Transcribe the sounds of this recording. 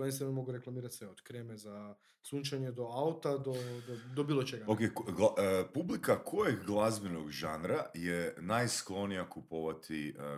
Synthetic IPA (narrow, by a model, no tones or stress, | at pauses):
ensenomo̞ɡuɾe̞klˠamiːɾat̪sʋeod̪kɾeːmeza | sunʲt͡ʃaɲed̪o̞aut̪ad̪o̞d̪od̪obiːlˠot͡ʃeɡaokekɡlapublikakʰojeɡɡlˠazbenoɡʒanɾajenajsklˠo̞nijakupoʋat̪ʰi